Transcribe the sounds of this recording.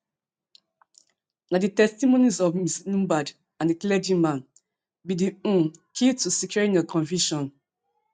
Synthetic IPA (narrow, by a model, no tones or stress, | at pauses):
naditɛstimonizɔvmisnũbad | ãndiklɛd͡ʒĩmãn | bidiũkʰitusikjenɔkʰɔ̃nviʃɔ̃n